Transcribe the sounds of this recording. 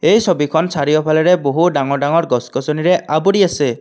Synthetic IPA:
eɦjsɔbikʰɔnsʰaɾiɔpʰalɔɾeboɦuɖaŋɔɖaŋɔɾɡɔskɔsɔniɾeʔabuɽiase

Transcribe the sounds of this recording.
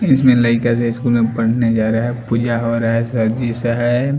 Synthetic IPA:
ɪsmẽləɪkas̬eɪskuːlmẽpɐɽned͡ʒaːɾaɦɛpuːd͡ʒaɦoɾaɦɛsɐɾd͡ʒiseɦɛ

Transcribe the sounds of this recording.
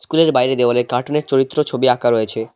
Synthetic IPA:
skuleɾbajɾed̪eolekaɾʈoneɾt͡ɕoɾit̪ːɾot͡ɕʰobiakaɾoet͡ɕʰe

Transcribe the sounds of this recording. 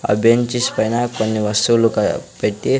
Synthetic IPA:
ɐ̰bʱjɐɲt͡ʃispɐjnɐkonːiʋɐst̪ulukɐpeʈːi

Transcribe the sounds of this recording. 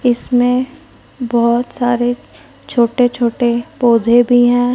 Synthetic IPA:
ɪsmẽ | bɔɦt̪saːɾe | t͡ʃʰoːʈet͡ʃʰoːʈepoːd̪ʱebʱiɦɛ̃ː

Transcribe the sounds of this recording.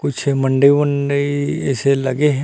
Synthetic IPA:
kʊt͡ʃʰmɐ̃ɳɖəimɐ̃ɳɖəiɛ̰ːselɐɡeɦɛ̃ː

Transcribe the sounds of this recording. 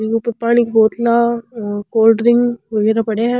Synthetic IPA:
ɡupəɾpaːɽ̃ikbɔːt̪lakoːlɖɾɪŋɡʋɐɡɛːɾapɐɽeaɦɛ

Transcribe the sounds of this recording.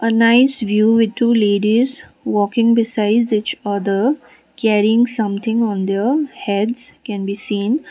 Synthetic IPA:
ʔənaɪsʋjuːʋɪd̪̚ʈuːleːɖizʋɔːkɪ̃ŋbɪsaɪɖzɪt͡ʃʌd̪ə | kɛɾiɪ̃ŋsʌ̃mt̪ʰɪ̃ŋɔ̃nd̪eɾhɛɖzkɛ̃nbiːsĩːn

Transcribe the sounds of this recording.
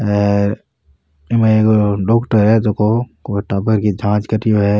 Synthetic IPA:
ɛːɾ | ɪmeekoɖoːkʈəɾɦɛt̪okokoʈaːbəɾkid͡ʒʱãːt͡ʃkəʈijoɦɛ

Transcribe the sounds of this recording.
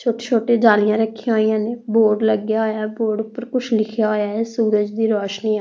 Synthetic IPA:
t͡ʃʰoːʈeːt͡ʃʰoːʈeːd͡ʒaːlɪjãːɾəkʰːɪjãɦoːijãːneːboːɖləɡjaːoːjaːboːɖʊpːəɾkʊt͡ʃʰlɪkʰjaːɦoːjaːɛːsuːɾəd͡ʒd̪iːɾɔːʃniːa

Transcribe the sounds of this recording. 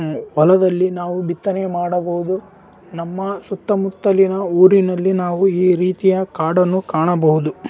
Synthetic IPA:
ʋɐlɐd̪ɐlːinaːʋubit̪ːɐnemaːɽɐbɐɦud̪u | nɐmːɐsut̪ːɐmut̪ːɐlinɐuːɾinɐlːinaːʋuiːɾiːt̪ijɐkaːɽɐnːukaːɳɐbɐɦud̪u

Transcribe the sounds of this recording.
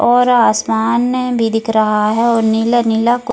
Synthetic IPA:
ɔːɾaːsmaːnːebʱid̪ɪkʰɾɐɦaɦɛɔːɾnɪlanɪlak

